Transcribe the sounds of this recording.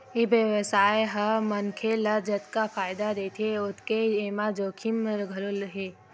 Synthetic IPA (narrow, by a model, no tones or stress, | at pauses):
ibjəʋəsaːeɦəmənkʰeləd͡ʒət̪kafaːɪd̪ad̪eːt̪ʰeʊt̪ʰkeeːmad͡ʒoːkʰimɾəɡʱəlʊlɦeː